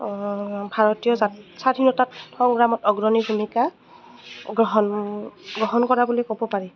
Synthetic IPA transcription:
bʱaɹɔtijɔzasadʰʱinɔtatʰɔŋɡɹamɔtɔɡɹɔnibʱumika | ɡɹɔɦɔnɡɹɔɦɔnkɔɹabulɔkobɔpaɹi

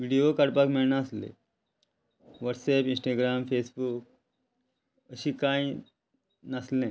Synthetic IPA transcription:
ʋiɽijokəɽpakmiɭnaslḛ̃ | ʋəʈsepĩnsʈaːɡɾaːmfeːsbuk̚ | əsikaːĩ | naslẽː

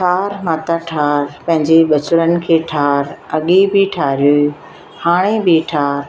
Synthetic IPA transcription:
ʈʰaːɾmaːt̪aʈʰaːɾpɐ̃ɦɪ̃ɲd͡ʑeɓɐt͡ɕʊɾənɪ̆kʰeːʈʰaːɾɐɠibɪʈʰaːɾijoi | haːɽ̃ebɪʈʰaːɾ

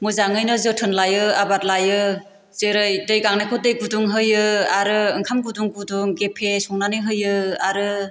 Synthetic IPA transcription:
mɯzaŋɯjnɯzɯtʰɯnlajɯabat̚lajɯ | zeɾɯjdɯjɡaŋnajkʰɯdɯjɡuduŋɦɯjɯaɾɯɯŋkʰamɡuduŋɡuduŋɡepʰesɔŋnaniɦɯjɯaɾɯ

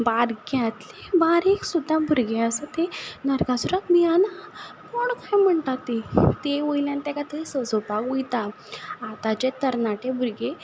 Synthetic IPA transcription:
baɾɡjat̪lebaɾeksud̪ʱːabʱuɾɡeəsat̪enəɾɡasuɾak̪mianakoɳkajm̤əɳt̪at̪et̪eʋəjljãnt̪akat̪esəsopaɡujt̪aː | t̪at͡ɕet̪əɾnaʈebʱuɾɡe

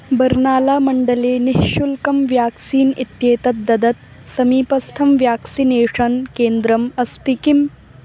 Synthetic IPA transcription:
bɐɾnaːlaːmɐɳɖɐleːnɪɦʃulkɐmʋjaːksiːnit̪jeːt̪ɐt̪̚d̪ɐd̪ɐt̪ | sɐmiːpɐst̪ʰɐmʋjaːksineːʂɐnkeːnd̪ɾɐmɐst̪ikim

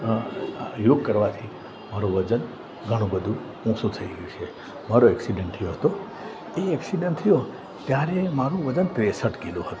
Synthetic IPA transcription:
joɡ̚kəɾʋat̪ʰi | maɾũʋəd͡ʒən | ɡʱəɽ̃ũbəd̪ʱũ | ũsũt̪ʰəiɡəjũt͡ʃʰe | maɾoɛksiɖəɳʈ̚t̪ʰəjoɦət̪o | eɛksiɖəɳʈt̪ʰəjo | t̪jaɾemaɾũʋəd͡ʒənt̪ɾesəʈkiloɦət̪õ

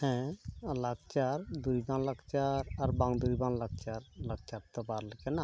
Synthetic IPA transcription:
hɛ̃laɡt͡ʃaɾd̪ujbaŋlaɡt͡ʃaɾaɾbaŋd̪ujbaŋlaɡ̚t͡ʃaɾlaɡ̚t͡ʃap̚t̪ɔpaɾləkɛna

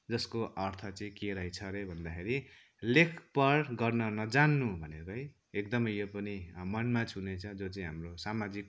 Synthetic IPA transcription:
d͡zʌskoʔʌrt̪ʰʌt͡sʌĩkeɾʌɦjt͡sʰʌɾebʱʌnd̪akʰeɾi | lekʰpʌrɡʌrnʌnʌd͡zanːubʱʌnekɦj | ek̚d̪ʌmʌjjopʌnimʌnmat͡sʰunet͡sʰʌd͡zot͡sʌĩɦamrosamad͡zik̚

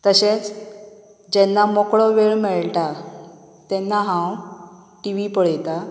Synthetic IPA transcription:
t̪əɕet͡s | d͡ʑɛnːamokɭɔʋeɭmɛɭʈa | t̪ɛnːaɦãw | ʈiʋipəɭjt̪a

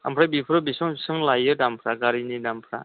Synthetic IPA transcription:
a̰mpʰɾabipʰɾɯbisɯŋsɯŋlajɯdampʰɾaɡaɾinidampʰɾa̰

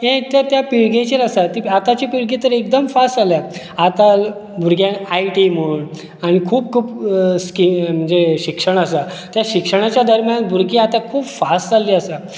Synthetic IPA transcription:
ɦɛ̃t̪jat̪japiɭɡẽt͡ɕeɾasat̪iat̪at͡ɕipiɭɡĩt̪əɾek̚d̪əmfasʈalja | at̪albʱuɾɡjãnajʈiməuɳ | aɽ̃ikʰuːb̚kʰuːpskim̤əɳd͡zeɕikʂəɳ̃əsa | t̪jaɕikʂəɽ̃at͡ɕjad̪əɾmjãnbʱuɾɡĩat̪akʰuːpfastd͡zalːiːəsa

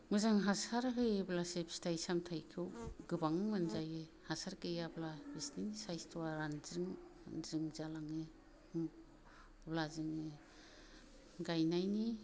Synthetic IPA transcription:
mɯzaŋɦasaɾɦɯjblasepstʰajsamtʰajkʰɯwɡɯbaŋmɯnzaje | hasaɾkɯjablabisninsajstʰuwaɾanzɯŋanzɯŋzalaŋe | blazɯŋe | ɡajnajni

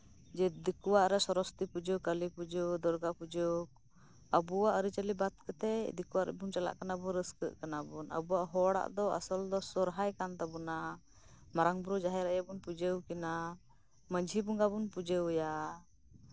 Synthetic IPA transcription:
d͡ʒɛd̪ikuwaʔɾɛsɔɾɔst̪ipud͡ʒəkəlipud͡ʒəwd̪ɔɾɡapud͡ʒɔ | əbuwaʔəɾit͡ʃəlibat̪̚kət̪ɛd̪ikuwaʔɾɛ̰buŋt͡ʃala̰ʔkanabɔɾəskəʔkanabunə̰buwaʔɦɔɽa̰ʔd̪ɔa̰sɔld̪ɔsɔɾɦajkant̪abuna | maɾaŋbɾud͡ʒaɦɛɾajabunpud͡ʒəwkina | məɲd͡ʒʱibuŋɡabunpud͡ʒəwja

